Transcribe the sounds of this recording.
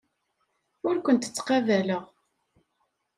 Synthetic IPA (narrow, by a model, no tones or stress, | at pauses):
ʊɾkʷənt̪ə̥t͡sːqɑvæləʁ